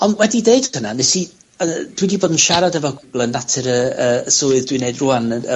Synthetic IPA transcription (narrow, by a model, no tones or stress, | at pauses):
ɔnwɛdideɨd̥kʰənanesi | əd̥widiboːdn̩ʃaɾadɛvɔɡʊɡ̥lˠənːatʰɪɾəəəsoɨðdwineɨdruanəə̰